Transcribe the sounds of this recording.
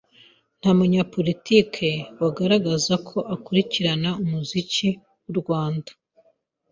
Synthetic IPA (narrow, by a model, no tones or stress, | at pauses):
n̥hamuɲapo̞litikʰe̞waɡaɾaɡazakʰo̞ʔakuɾiciɾanaumuzici | wuɾɡwaːndḁ